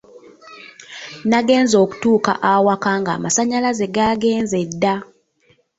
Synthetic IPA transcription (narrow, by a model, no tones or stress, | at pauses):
naɡe̞ːnzo̞ːku̥tuːka̰ʔawakaːŋɡa̰ːmasaɲalaze̞ɡaːɡe̞ːnzedːa